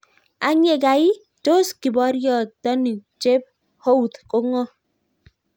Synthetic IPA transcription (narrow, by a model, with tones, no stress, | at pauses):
a˨ɲe˦˨ɡa˨i˦ | to˦ski˨bɔ˨˦ɾjɔ˨tɔ˦ni˨t͡ʃe˦p̚ | ho˦wu˨t̪ko˦ŋɔ˦